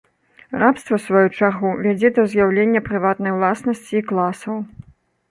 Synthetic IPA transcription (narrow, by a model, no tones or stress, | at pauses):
rapst̪vɐsvajut͡ʂaɣuvʲad͡zʲɛd̪ɐwzjawlʲenʲːɐpɾɨvat̪nɐjwlˠasnɐsʲt͡sʲiːklˠasɐw